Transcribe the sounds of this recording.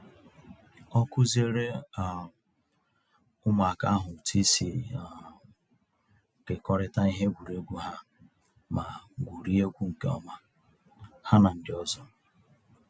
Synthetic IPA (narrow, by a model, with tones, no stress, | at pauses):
ɔ˦kʊ˦ze˦ɾe˦˨ | ʊ˦ma˨a˨ka˦ɦʊ˨tʰi˦si˨ | ke˨kɔ˦ɾɪ˦ta˦i˦ɦe˦ɡʷu˨ɾi˨e˦ɡʷu˦ɦa˦ | ma˨ɡʷu˨ɾi˦e˦ɡʷu˦ŋ̩˨ke˦ɔ̰˦ma˦ | ha˦na˨n̩˨dɪ˨ɔ˦zɔ˦